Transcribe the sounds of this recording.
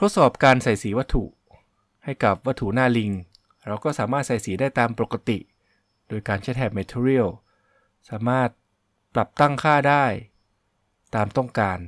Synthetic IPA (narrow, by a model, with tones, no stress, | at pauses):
t̪ʰo˦˥t̪̚sɔː˨˩p̚kaː˧nsa˨˩jsiː˩˦wa˦˥t̪ʰːṵ˨˩ | ha˥˩jka˨˩p̚wa˦˥t̪ʰu˨˩naː˥˩li˧ŋ | ɾa˧wkɔː˥˩saː˩˦maː˥˩t̪̚sa˨˩jsiː˩˦daː˥˩jt̪aː˧mpo˨˩ka˧t̪ḭ˨˩ | doː˧jkaː˧nt͡ɕʰa˦˥˩t̪ʰɛː˧˩p̚meː˧t̪ʰi˧ɾi˥˩əw | saː˩˦maː˥˩t̪̚ | pla˨˩p̚t̪a˥˩ŋkʰaː˥˩daː˥˩j | t̪aː˧mt̪ɔ˥˩ŋkaː˧n